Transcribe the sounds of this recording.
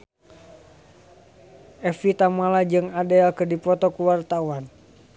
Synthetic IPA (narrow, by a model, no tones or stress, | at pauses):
ɛfit̪amalad͡ʒɨŋadɛlkərdipɔt̪ɔkuwart̪awan